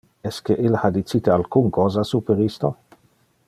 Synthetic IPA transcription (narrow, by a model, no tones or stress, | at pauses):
ɛskeʔilhad̪it͡sit̪ealkuŋkɔːzasupeɾist̪o